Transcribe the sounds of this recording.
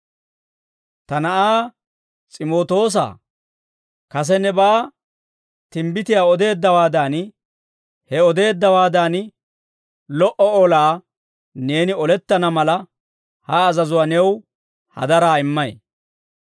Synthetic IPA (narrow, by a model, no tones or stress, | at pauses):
t̪ɐnɐʔaː | t͡sʼɪmo̞ːt̪o̞ːs̬a̰ː | kɐs̬ɛnːɛbaː | t̪ɪmbɪt̪ɪjaːɔd̪e̞ːd̪ːɐwaːd̪aːn | hɛɔd̪e̞ːd̪ːɐwaːd̪aːn | lɔʔɔɔlaː | ne̞ːnɪɔlɛt̪ːɐnɐmɐlɐ | hɐːzɐzʊwɐnɛw | hɐ̰d̪ɐɾaːɪmːɐj